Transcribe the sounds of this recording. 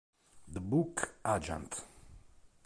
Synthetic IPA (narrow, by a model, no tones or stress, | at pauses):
d̪əbukad͡ʒã̰nt̪